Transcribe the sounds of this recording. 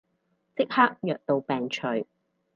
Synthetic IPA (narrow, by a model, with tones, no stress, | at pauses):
t͡sɪ˥k̚haː˥k̚jœː˨k̚t̪o˨˧wpɛː˨ŋt͡ʃʰɵ˨˩ɥ